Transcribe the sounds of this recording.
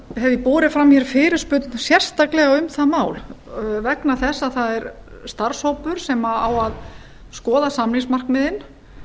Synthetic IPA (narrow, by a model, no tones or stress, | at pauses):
hɛvɪpoːɾɪfɾamːijɛɾfɪːɾɪɾ̥spʏt̪nsjɛr̥st̪aklɛɣaʏmθaðmaːwlvɛknaθɛsːaðθaðɛɾst̪ar̥showpʏɾ̥sɛmaawað | skɔːðasamlɪŋsmar̥kmɪðɪn